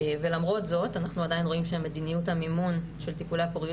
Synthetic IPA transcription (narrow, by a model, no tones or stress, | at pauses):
ve̞lamʁo̞tzo̞tanaχnuadajinʁo̞imʃeme̞dinijuthamimunʃe̞lt̪ipuleapoʁi